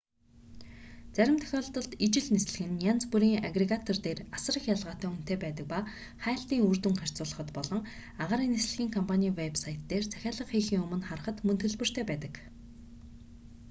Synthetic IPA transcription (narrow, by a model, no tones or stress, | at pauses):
t͡sæɾʲɪ̆mt̪ʰœ̥xʲɔːɮt̪ɞ̆ɮt̪it͡ɕɪ̆ɮnes̆ɮɘ̆ɣɘ̆njant͡spuɾiːŋaɡreɣat̪ʰɔrt̪eːrasə̆rə̆χjaɮʁaːt̪ʰæːun̥t̪eːpæːt̪ə̆k̚pa | χæːɬt̪iːŋurt̪ɘ̆ŋχar̥t͡sʊːɮə̆χɞ̆t̪pɔɮɞ̆ŋ | aʁaːɾiːŋnesɮɘ̆ɣʲiːŋkʰɔmpʰanʲiːwepsajʰt̪ːeːrt͡sʰæ̥xʲaːɮə̆qχiːxiːŋɵmɵ̆nχarə̆χə̆t̪mɵnt̪ɣɵ̆ɮpɵ̆r̥t̪ʰeːpæːt̪ə̆k